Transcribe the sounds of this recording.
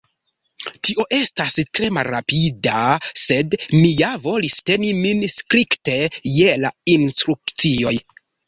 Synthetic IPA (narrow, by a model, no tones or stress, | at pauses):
tiʔo̞ʔe̞stastɾe̞ma̰lɾa̰pidase̞dmijavo̞liste̞niminskɾikte̞jela̰instɾuk̚t͡sio̞j